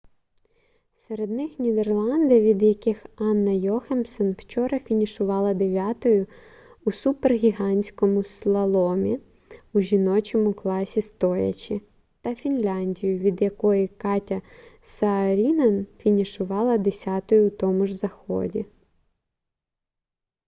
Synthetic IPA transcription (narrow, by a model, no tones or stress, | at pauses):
seɾe̞d̪nɪxnʲid̪e̞rlˠɑnd̪ɐʋʲid̪jɐkɪxɑnːɐjɔxemsɔnw̥t͡ʃɔɾɐfʲinʲiʃʊʋɑlˠɐd̪eʋʲɑt̪ɔjʊ | usuperɦʲiɦɑnʲsʲkɔmʊslˠɐlˠɔmʲi | uʒʲinɔt͡ʃɔmʊklˠɑsʲist̪ɔjɐ̰t͡ʃʲi | t̪ɐfʲinlʲɑnʲdʲijʊʋʲid̪jɐkɔjikɑtʲɐsɐːɾʲinɐnfʲinʲiʃʊʋɑlˠɐd̪esʲɑt̪ɔjʊt̪ɔmʊʒzɐxɔ̰dʲi